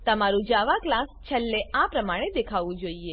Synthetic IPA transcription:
t̪əmaɾũd͡ʒaʋãklãst͡ʃʰəlːeapɾəmaɽ̃ed̪ekʰaʋũd͡ʒoie

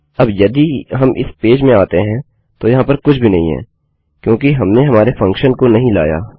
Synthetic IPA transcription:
ɐbjɐd̪iɦɐmʔɪ̰speːd͡ʒmẽaːt̪eɦɛ̃ | t̪ojɐɦãpɐɾkʊt͡ʃʰbʱinɐɦĩɦɛ̰ː | kjõːkiɦɐmneɦɐmaːɾefɐ̃ŋkʃənkonɐɦĩla̰ːja̰ː

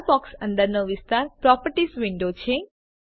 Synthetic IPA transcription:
bɔksə̃nd̪əɾnoʋist̪aɾpɾɔpəɾʈisʋiɳɖot͡ʃʰe

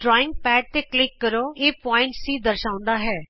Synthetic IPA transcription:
ɖɾɔːɪ̃ŋɡ̚pɛːʈ̚t̪eːklɪkːəɾoːeːpɔːɪ̃ɳʈsiːd̪əɾʃãːʊ̃nd̪aːɦɛː

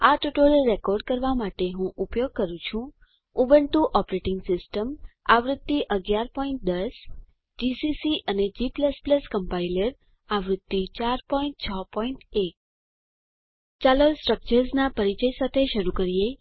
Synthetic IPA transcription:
aʈuʈoɾeɾekɔɾɖ̚kəɾʋamaʈeɦũʔupjoɡ̚kəɾũt͡ʃʰũ | ubəɳʈuʔɔpɾeʈɪŋɡsɪsʈəmaʋɾʊd̪ːiʔəɡjaɾpɔiɳʈ̚d̪əs | d͡ʒisisiʔəned͡ʒipləspləskəmpailəɾ | aʋɾʊd̪ːit͡ʃaɾpɔĩɳʈ̚t͡ʃʰəpɔiɳʈek̚ | t͡ʃalolsʈɾək̚t͡ʃəɾsnapəɾit͡ʃəjsat̪ʰeʃəɾukəɾije

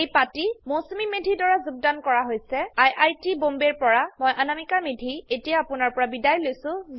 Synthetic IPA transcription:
ejpatimosumimedʱidɔɹazuɡ̚dankɔɹaɦojsɛajʔajtibombeɹpɔɹamojʔanamikamedʱietijaːpʊnaɹpɔɹabidajlojsʊ̃z

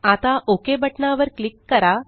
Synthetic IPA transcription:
at̪aʔokebəʈɳaʋəɾklikːəɾa

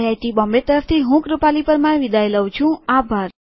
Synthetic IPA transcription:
ajʈibɔ̃mbet̪əɾəft̪ʰiɦũkɾupalipəɾmãeʋid̪ʱajləwt͡ʃʰũabʱaɾ

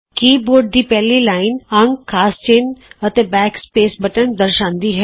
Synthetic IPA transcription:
kiːboːɾɖ̚d̪iːpɛːliːlaːɪnəŋɡkʰaːst͡ʃeːnət̪ẽːbɛːkspeːsbəʈənd̪əɾʃãːnd̪iːɦɛː

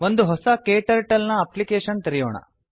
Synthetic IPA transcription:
ʋond̪uɦɔsɐkeːʈɐɾʈɐlnɐɐplikeːʃɐnt̪iɾijo̰ːɳɐ̰

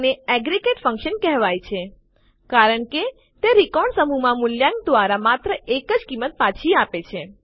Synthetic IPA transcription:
neɛɡɾikeʈfə̃ŋkʃənkɛɦʋajt͡ʃʰe | kaɾəɳke | t̪eɾikɔɳsəmumãmuljãŋk̚d̪ʋaɾamat̪ɾəʔekəd͡ʒkimːət̪̚pat͡ʃʰiapet͡ʃʰe

